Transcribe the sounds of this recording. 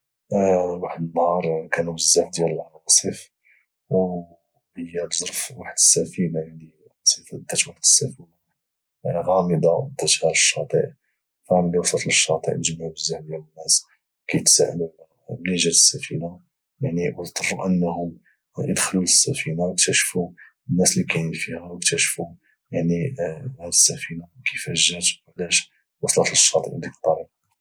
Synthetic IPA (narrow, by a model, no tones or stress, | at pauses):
waħd̪ənːhɑɾˤkænubəzːaħd̪jæləlʕɑsˤəf | w | həjːæt̪zˤɾfwaħəd̪əsːæfinajaʕni | ʕɑsˤəfd̪æt̪waħd̪əsːæfina | ɣɑməd̪ɑd̪æt̪hɑɾˤəʃːɑt̪ˤḭʔ | fæmlæwsˤɑt̪ləʃːɑt̪ˤḭʔnəʒəmaʕubəzːaħd̪jælənːæs | kæjət̪sæ̰ʕə̰d̪ulæ | bniʒæd̪əsːæfina | jaʕniwət̪ˤərˤːuʔənːhʊm | jəd̪xluləsːæfinawək̚t̪æʃfu | ənːæslikæjəfihæwək̚t̪æʃfu | jaʕnihd̪əsːæfinakijfæʒːət̪ʕlæʃ | wɑsˤlɑt̪ləʃːɑt̪ˤḭʔd̪ikət̪ˤːɑɾiqɑ